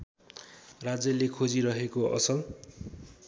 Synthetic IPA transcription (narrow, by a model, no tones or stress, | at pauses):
rad͡zʌlekʰod͡ziɾʌɦekoʌ̰sʌl